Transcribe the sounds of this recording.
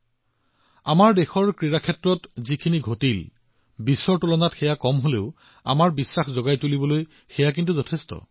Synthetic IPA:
amaɹdexɔɹkɹiɹakʰɛtɹɔtzikʰiniɡʱotil | bisɔɹtulɔnatxɛjakɔmɦoleʊ | a̰maɹbisːaxzɔɡajtulibɔloj | xɛjak̬intuzɔtʰestɔ̰

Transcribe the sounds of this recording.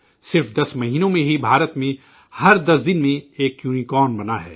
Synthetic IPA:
sɪɾfd̪ɐsmɐɦiːnõmẽɦibʱaːɾət̪mẽ | hɐɾd̪ɐsd̪ɪnmẽeːkjuːnikɔːnbɐnaɦɛ̰ː

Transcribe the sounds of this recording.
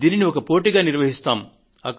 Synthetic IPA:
d̪iːniniɔkɐpo̞ːʈiɡaːniɾʋɐɦist̪aːm | ɐkː

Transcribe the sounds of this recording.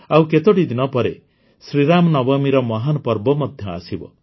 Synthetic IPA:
awket̪oʈid̪inɔpɔɾe | sɾiɾamɔnɔbɔmiɾɔmɔɦanɔpɔɾbɔmɔd̪ʱjɔa̰sibɔ̰

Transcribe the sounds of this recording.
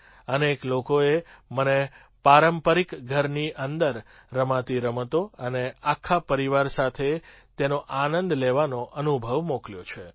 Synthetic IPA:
əneklokoeməne | paɾəmpəɾikɡʱəɾniʔənd̪əɾː | əmãt̪iɾəmət̪oəneakʰːapəɾiʋaɾsat̪ʰe | t̪enoʔanə̃nd̪leʋanoʔənubʱəʋmokljot͡ʃʰe

